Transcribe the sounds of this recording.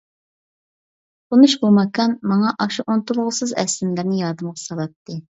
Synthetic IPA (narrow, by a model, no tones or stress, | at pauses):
qʰonuʃbomɑkʰɑnmɑŋɑʔɑʃuʔont̪ulˠʁʊsɨzɛ̰slɪmlɪɾnɪjɑɾd̪ɨmʁɑsɑlˠɑp̚t̪ʰːɨ